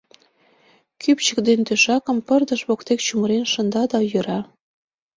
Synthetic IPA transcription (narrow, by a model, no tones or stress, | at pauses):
kypt͡ɕəkd̪ent̪øʃɑkə̆mpərd̪ə̆ʃβokt̪ekt͡ɕuməɾenʃə̆nd̪ɑd̪ɑjøɾɑ